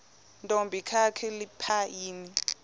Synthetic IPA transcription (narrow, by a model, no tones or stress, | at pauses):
ntʼombʱikʰakʰɛlipʰaiːni